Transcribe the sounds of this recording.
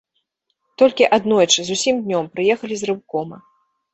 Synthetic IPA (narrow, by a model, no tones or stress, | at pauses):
t̪ɔlʲkʲiʔad̪nɔjt͡ʂɨzusʲimd̪ʲnʲɔmpɾɨjɛxɐlʲizrɨwkɔmɐ̰